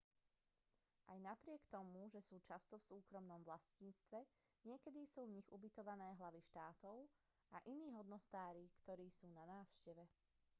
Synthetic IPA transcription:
ʔajnapɾɪɛkt̪ɔmuʒɛsuːt͡ʃast̪ɔfsuːkɾɔmnɔmʋlasciːt͡st̪ʋɛ | ɲɪɛkɛd̪isuːvɲiɣubit̪ɔʋanɛːɦlaʋiʃt̪aːt̪ɔʊ | aʔiniːɦɔd̪nɔst̪aːɾikt̪ɔɾiːsuːnanaːʊʃcɛʋɛ

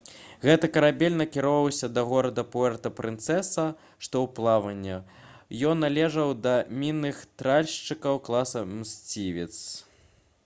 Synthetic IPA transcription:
ɣɛt̪ɐkɐɾabʲɛlʲnɐkʲiɾɔvɐwsʲɐd̪ɐɣɔɾɐd̪ɐpuɛrt̪ɐpɾɨnt̪sɛsɐ | ʂt̪ɔwplˠavɐnʲːɐjɔnːalʲɛʐɐwd̪ɐmʲinːɨxt̪ɾalʲʂt͡ʂɨkɐwklˠasɐmsʲt͡sʲivʲit̪s

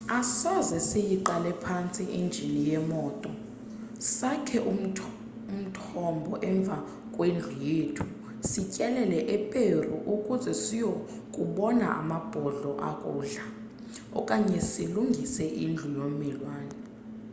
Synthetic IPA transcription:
asɔzɛsijiǃalɛpʰant͡sʼiʔind͡ʒʱinijɛmɔːtʼɔ | sakʰɛʔu | um̩tʰɔmbʱɔʔɛɱb̪vʱa | kʼwend͡ɮʱujetʰu̥ | sicʼɛlɛlɛʔɛpʼerṵʔukʼuzɛsijo | kʼuɓɔna̰ʔa̰mab̥ʱɔɮɔʔa̰kʼuːɮa | ɔ̰kʼaɲɛsiluŋɡʱisɛʔind͡ɮʱujomilwaːnɛ

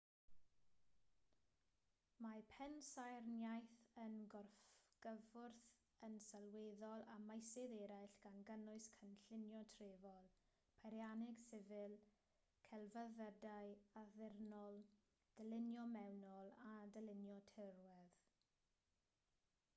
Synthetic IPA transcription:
mapʰɛnsajrnjajθənɡɔrfɡ̥əvʊrθ | ənsalweːðɔlˠamajsɛðɛɾajɬɡ̥anɡənʊɨskʰənɬɪnjɔtʰreːvɔlˠ | pʰaɾjanɪɡ̥sɪvɨlˠ | kʰɛlˠvəðədajaðɪrnɔlˠ | d̥əlɪnjɔmɛwnɔlˠadəlɪnjɔtʰɪrwɛð

